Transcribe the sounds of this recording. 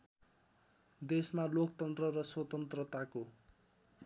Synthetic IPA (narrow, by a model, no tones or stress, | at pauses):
d̪esmalokt̪ʌnt̪rʌɾʌswʌt̪ʌnt̪rʌt̪ako